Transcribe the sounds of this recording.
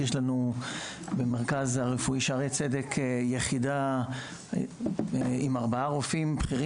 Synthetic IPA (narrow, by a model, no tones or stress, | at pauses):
jeʃlanu | bemeʁkazhaʁefuiʃeaʁejt͡sedekʰjeχida | imaʁbaaʁofimbχiʁi